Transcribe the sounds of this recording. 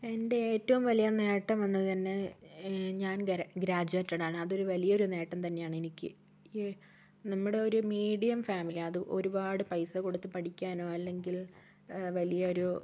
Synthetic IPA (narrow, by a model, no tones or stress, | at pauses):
e̞nde̞eːtːɐʋumʋɐlijɐne̞ːʈːɐmʋɐnːɐðt̪ɐnːe | ɲaːnɡɾaːd͡ʑɐːtːɐɽaːɳɨɐðo̞ɾuʋɐlijɐo̞ɾune̞ːʈːɐmt̪ɐnːe̞jaːɳɨenikʲːɨ̰ | nɐmːuɽe̞o̞ɾumiːɽijɐmfaːmiliɐðɨʔo̞ɾubaːɽɨpɐjsɐko̞ɽut̪ːɨpɐʈikʲːaːno̞ːɐlːe̞ŋɡil | ʋɐlijɐo̞ɾu